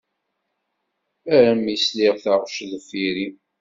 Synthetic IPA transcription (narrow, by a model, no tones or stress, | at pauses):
æɾæmisliʁθaʁʃðfiɾi